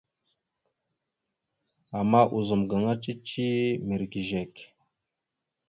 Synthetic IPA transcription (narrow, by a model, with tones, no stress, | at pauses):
a˨mːa˦ʔu˨zə˨mɡa˨ŋa˦t͡ʃʼi˦t͡ʃi˦mi˨ɾɡi˨ʒe˨k